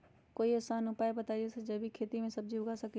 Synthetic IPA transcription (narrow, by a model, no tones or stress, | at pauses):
koːiɐsaːnʊpaːebɐt̪aːid͡ʒesed͡ʒɐbʱikʰeːt̪imẽsɐb̚d͡ʒiʊɡasɐk